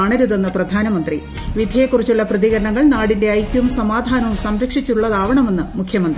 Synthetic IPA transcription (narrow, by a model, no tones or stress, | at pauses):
aːɳɐɾuðenːɐprɐd̪ʱaːnɐmɐnd̪ri | ʋid̪ʱjɐjekːurit͡ɕːuɭːɐprɐðiɣɐɾɐɳɐŋːɐɭnaːɽinde̞ɐjkʲːumsɐmaːd̪ʱaːnɐʋumsɐmɾɐkʂit͡ɕːuuɭːɐðaːʋɐɳɐme̞nːɨmukʰjɐmɐnd̪ri